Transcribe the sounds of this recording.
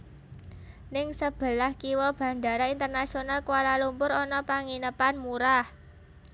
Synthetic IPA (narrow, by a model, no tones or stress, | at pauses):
nɪŋsəb̥ə̤lahkiwɔb̥ä̤nd̪a̤ɾaint̪ərnasionalkuwalalumpʊɾɔnɔpaŋinəpanmuɾah